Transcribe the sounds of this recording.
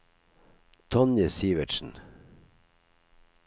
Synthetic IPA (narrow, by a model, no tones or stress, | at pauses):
t̪ʰɔnjəsiːʋəʃn̩